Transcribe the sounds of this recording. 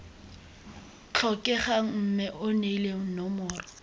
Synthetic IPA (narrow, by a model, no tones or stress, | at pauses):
t͡ɬʰɔkʼɛχam̩mɛʔʊneleŋ̩nɔmʊːrɔ